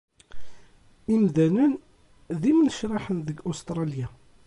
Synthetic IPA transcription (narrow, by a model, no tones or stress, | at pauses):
imðænən | ðimnəʃɾɑħənðəɡʊst̪ɾˤɑlja